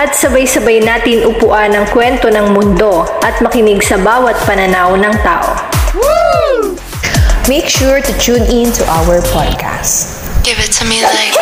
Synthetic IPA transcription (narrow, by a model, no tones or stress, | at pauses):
ʔɐt̪̚sɐbɐjsɐbɐjnaːt̪ɪnʔʊpʊʔanɐŋkwɛnt̪o̞nɐŋmʊnd̪o̞ʔɐt̪̚mɐkɪnɪɡsɐbaːwɐt̪̚pɐnɐnawnɐŋt̪a̰ːʔo̰ | meɪkʃuɹt̪ʊt͡ʃuːnɪ̃nt̪uʔawəɹpʰɔd̪̚kʰa̰st | ɡ̥ɪvɪtsʰɐmila